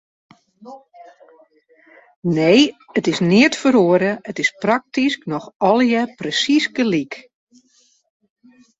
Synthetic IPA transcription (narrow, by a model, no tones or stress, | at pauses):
nejətɪsnɪətfəɾoəɾəətɪsprak̚tisknɔxɔlˠjəprəsisɡəlik